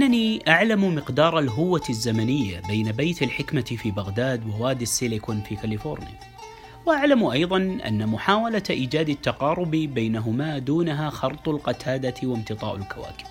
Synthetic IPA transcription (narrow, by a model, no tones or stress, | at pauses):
ʔanːaniʔaʕlammɪqd̪ɑːɾˤalɦʊwːazːamanɪjːa̰beːnabajt̪alħɪkmafiːbaɣd̪aːd̪wawaːd̪ɪsːɪlɪkʊnfiːkalifoːɾnɪja̰ | waʔaʕlamʔɑjðˤɑnʔa̰nːamʊħaːwalaʔiːd͡ʒaːd̪at̪ːaqɑːɾˤʊbibajnaɦʊmaːd̪uːnaɦaxɑɾˤt̪ˤʊlqɑt̪ʰaːd̪awɪmt̪ɨt̪ˤɑ̰ːʔalkawa̰ːkɪ̥b̥